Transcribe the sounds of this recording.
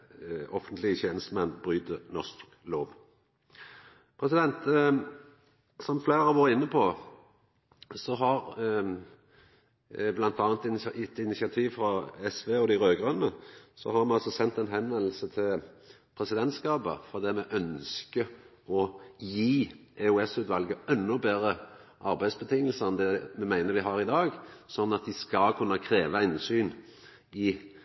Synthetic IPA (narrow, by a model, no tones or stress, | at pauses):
ɔfənt̪lɪəçeːnəst̪əmɛnbʁyːt̪ənɔʁst̪ːkloːʋ | pʰʁɛsɪd̪ɛnt̪ | sɔmflæːʁəʋɑːɾəɪnːəpʰɔ | sɔɦɑʁ | blɑnt̪ɑːnt̪ɪɪt̪ɪnɪsɪɑt̪ʰiːʋfʁɑɛsʋeːɔd̪ɪʁøːɡʁœnnəsɔ̰hɑɾmɛɑlsɔsɛnt̪ɛnɦɛnʋɛnl̩sət̪ʰɪl | pʰʁɛsɪd̪ɛnt̪skɑːpə̰fɔʁd̪ɛːmɛʔœnskə | ɔjiːʔɛʉɛsʉːt̪ʋɑlɡəɛnːʊbeːʁə | ʔɑɾbæɪsbət̪ʰɪŋːəlsəɛnd̪ɛmɛmæɪnəɾʋɪɦɑːɾɪd̪ɑːɡsɔnːɑt̪̚d̪ɪskɑlkʰʉnːəkʰʁeːʋəɪnsyːn | ɪ